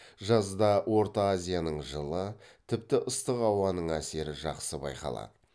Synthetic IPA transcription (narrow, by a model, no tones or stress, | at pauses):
ʒɑzd̪ɑwʔo̞ɾt̪ɑːzʲijanəɴʒəlˠət̪ʰɪp̚t̪ɪʔʊst̪əqɑwɑnəɴæse̞ɾɪʒɑqsəbɑ̰jqɑ̰lˠɑ̰d̪ə